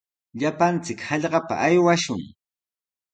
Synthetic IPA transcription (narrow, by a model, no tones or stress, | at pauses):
ʎapant͡sɪkhɑʎɢɑpa̰ʔajwaʃʊŋ